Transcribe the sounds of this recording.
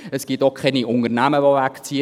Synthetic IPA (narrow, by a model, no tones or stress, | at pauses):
əsɡ̥itokχɛniʔʊnərnæməʋovækt͡siə